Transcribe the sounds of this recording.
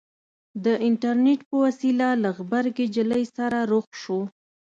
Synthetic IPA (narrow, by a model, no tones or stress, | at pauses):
d̪əʔɪɳʈaɾneʈpəwasilalaɣbaɾɡed͡ʒələjsaɾaɾoxʃo